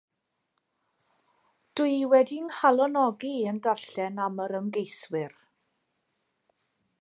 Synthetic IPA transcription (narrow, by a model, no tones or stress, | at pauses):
d̥uɨwɛdinhalˠɔnɔɡiəndarɬɛnaməɾəmɡejswɪr